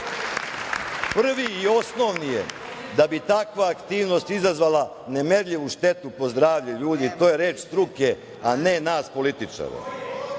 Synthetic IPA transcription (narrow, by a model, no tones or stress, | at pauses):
pr̩ʋiio̞sno̞ʋnije | d̪abit̪akʋaːkt̪iːʋno̞st̪izazʋala | nemeɾʎiʋuʃt̪e̞t̪upo̞zd̪ɾaːʋʎuʎuːd̪it̪o̞ːje̞ɾe̞ːt͡ʃst̪ɾuke̞ | ane̞naːspo̞lit̪it͡ʂa̰ːɾḛ